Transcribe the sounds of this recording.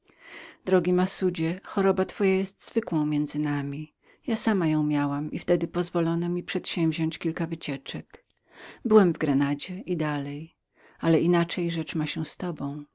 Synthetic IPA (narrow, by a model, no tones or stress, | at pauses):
d̪ɾɔɡʲimasud͡ʑɛxɔɾɔbat̪fɔjajɛst̪z̥vɘkwɔ̃w̃mʲjɛnd̪zɘnamʲi | jasamajɔ̃w̃mʲjawamift̪ɛd̪ɘpɔzvɔlɔnɔmʲipʂɛt̪ɕɛ̃wvʲʑɔ̃ɲt͡ɕkʲilkavɘt͡ɕɛt͡ʂɛk | bɘwɛmvɡɾɛnad͡ʑɛʔid̪alɛj | alɛʔinat͡ʂɛjʐɛt͡ʂmaɕɛst̪ɔbɔ̃w̃